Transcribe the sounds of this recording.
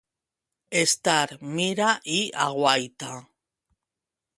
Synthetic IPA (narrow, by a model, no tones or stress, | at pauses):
est̪aɾmiɾaʔiaɣwajt̪a